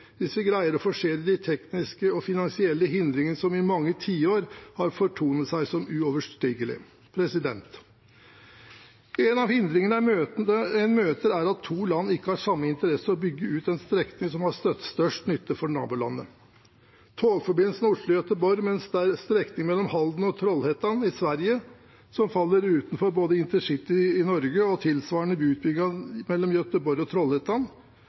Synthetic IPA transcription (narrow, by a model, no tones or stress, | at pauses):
d̪ɪsːəɡɾæɪəɾɔfɔʂeːɾəd̪ɪt̪ʰɛknɪskəɔfɪnɑnsɪɛlːəɦɪnd̪ɾɪŋənəsɔmɪmɑŋːət̪ʰiːoːɾhɑɾfɔʈʰuːnət̪sæɪsɔmʉɔʋəʂʈiːɡəlɪ̰ | pʰɾɛsɪd̪ɛnt̪ | ɛnɑʋhɪnd̪ɾɪŋənəøəɛnmøːt̪əɾæɾɑt̪ʰːuːlɑnːɪkːəhɑɾʂɑmːəɪnt̪əɾɛsəɔbʏɡːəʉːt̪ɛnst̪ɾɛknɪŋsɔmhɑst̪œt̪ːst̪œʂʈnʏt̪ːəfɔɳɑ̰ːbuːlɑ̰nːə̰ | t̪ʰoːɡfɔɾbɪnsnʊʂləjœt̪əbɔɾmɛnsd̪ɛæɾst̪ɾɛknɪŋmɛlːɔmhɑld̪nɔt̪ʰɾɔlheːt̪ɑnɪsʋæɾjə | sɔmfɑlːəɾʉːt̪n̩fɔɾboːd̪əɪnt̪əʂɪt̪ːɪɪnɔɾɡəɔt̪ʰɪlsʋɑːɳəbʉːt̪̚bʏɡɑmɛlːɔmjœt̪əbɔɾjɔt̪ʰɾɔlheːt̪ɑn